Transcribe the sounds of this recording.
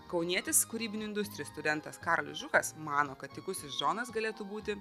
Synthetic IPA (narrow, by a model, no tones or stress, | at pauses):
kɒʊnʲiɛt̪ʲɪskuːɾʲiːbʲɪnʲʊɪnd̪ʊsʲt̪ʲɾʲɪjuːst̪ʊd̪ʲɛnt̪ɐskɑːɾolʲɪsʒʊkɐsmɑːnoːkɐt̪tʲɪkʊsʲɪsʒoːnɐsɡɐlʲeːt̪ubuːt̪ʲɪ